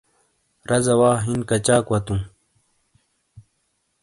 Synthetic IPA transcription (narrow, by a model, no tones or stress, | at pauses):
ɾɐzɐwaːɦinkɐt͡ɕaːkwɐt̪ũː